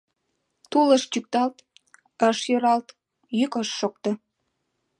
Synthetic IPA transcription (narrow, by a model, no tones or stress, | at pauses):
t̪uləʃt͡ɕyk̚t̪ɑlt̪ | əʃjøɾɑlt̪ | jykəʃːok̚t̪ŏ